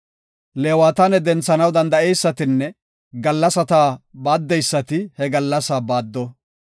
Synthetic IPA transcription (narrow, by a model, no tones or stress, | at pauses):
leːwaːt̪ɐnɛd̪ɛnt͡sːɐnɐwd̪ɐnd̪ɐɛjsːɐt̪ɪnːɛ | ɡɐlːɐsɐt̪aːbaːd̪ːɛjsːɐt̪ɪhɛɡɐlːɐsaːbaːd̪ːɔ